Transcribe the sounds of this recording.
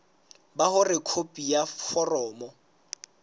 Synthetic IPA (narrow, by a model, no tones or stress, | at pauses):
bahʊrɪkʰopʼijafɔrɔːmɔ